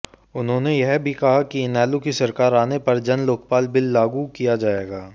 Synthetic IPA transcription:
ʊnɦõːnejɛɦbʱikɐɦakiɪnɛːlukisɐɾkaːɾaːnepɐɾd͡ʒɐnloːk̚paːlbɪlːaːɡukijad͡ʒaːeːɡaː

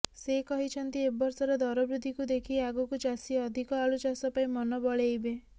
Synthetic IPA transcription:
sekɔɦit͡ʃʰɔnt̪iebɔɾsɔɾɔd̪ɔɾɔbɾud̪ʱːikud̪ekʰiaɡɔkut͡ʃasiɔd̪ʱikɔalut͡ʃasɔpaimɔnɔbɔɭejbe

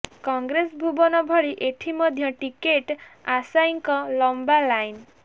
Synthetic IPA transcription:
kɔŋɡɾesbʱubɔnɔbʱɔɭiʔeʈʰimɔd̪ʱjɔʈikeʈasajŋkɔlɔmbalajn

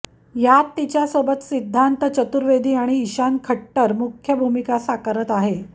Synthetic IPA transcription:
jat̪ːit͡ɕjasəbət̪sid̪ʱːant̪ət͡ɕət̪uɾʋed̪ʱiːaɽ̃iːɕankʰəʈːəɾmukʰjəbʱumikasakəɾət̪aɦe

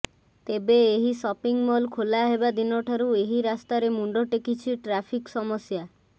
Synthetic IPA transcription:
t̪ebeːɦisɔpiŋmɔlkʰolaɦebad̪inɔʈʰaɾueɦiɾast̪aɾemuɳɖoʈekit͡ʃʰiʈɾapʰiksɔmɔsja

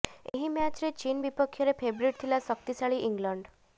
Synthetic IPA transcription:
ḛɦimjat͡ɕɾet͡ɕiːnbipəkʰːjɔɾepʰebɾiʈt̪ʰilasəkt̪isaɭiʔiŋɡləɳɖ

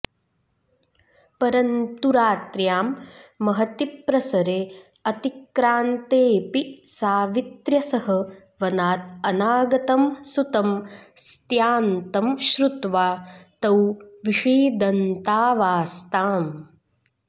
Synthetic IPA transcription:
pɐɾɐnt̪uɾaːt̪ɾjaːmːɐɦɐt̪ipɾɐsɐɾeː | ɐt̪ikɾaːnt̪eːpisaːʋit̪ɾjɐsɐɦɐ | ʋɐnaːt̪̚ɐnaːɡɐt̪ɐmsut̪ɐmst̪jaːnt̪ɐmʃɾut̪ʋaːt̪ɐwʋiʂiːd̪ɐnt̪aːʋaːst̪aːm

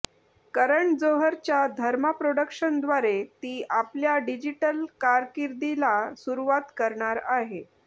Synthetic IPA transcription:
kəɾəɳd͡zoɦəɾt͡ɕjad̪ʱəɾmapɾoɽəkʂənd̪ʋaɾet̪iːʔapljaɖid͡ʑiʈəlkaɾkiɾd̪ilasuɾuʋat̪kəɾɳaɾaɦe

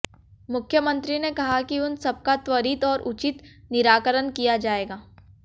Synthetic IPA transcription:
mʊkʰːjəmə̃nt̪ɾinekɐɦakiʊnsɐb̚kat̪wəɾiːt̪ɔːɾʔʊt͡ʃɪt̪nɪɾaːkəɾənkijad͡ʒaːeːɡaː

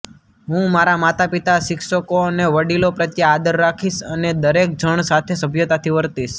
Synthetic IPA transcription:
ɦũmaɾamat̪apit̪aʃɪkʃəkoneʋəɽilopɾət̪jaːd̪əɾːakʰiʃəned̪əɾek̚d͡ʒʱəɳ̃sat̪ʰesəbʱjot̪at̪ʰiʋəɾt̪iʃ

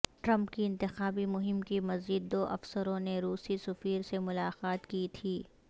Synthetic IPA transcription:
ʈɾɐ̃mpkiɪ̃nt̪ɪxaːbimʊɦɪmkimɐzd͡ʒid̪ːoːʔɐfsəɾõneɾuːsisɐfiːɾsemʊlaːqaːt̪kit̪ʰiː

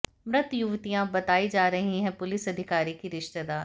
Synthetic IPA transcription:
mɾɪt̪jʊʋt̪ijãbɐt̪aːid͡ʒaːɾɐɦĩɦɛ̃pʊlɪsɐd̪ʱɪkaːɾikiɾɪʃt̪əd̪aːɾ

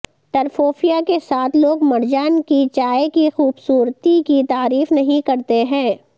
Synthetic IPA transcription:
t̪ɐɾfoːfijakesaːt̪ʰloːɡmɐɾd͡ʒaːnkit͡ʃaːekixuːbsuːɾt̪ikit̪aːɾiːfnɐɦĩkɐɾt̪eɦɛ̃ː

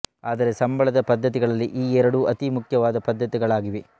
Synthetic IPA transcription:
aːd̪ɐɾe̞sɐmbɐɭɐd̪ɐpɐd̪ʱːɐt̪̬iɡɐɭɐlːiʔiːɛɾɐɽuʔɐt̪imukʰjɐʋaːd̪ɐpɐd̪ʱːɐt̪iɡɐɭaːɡiʋe

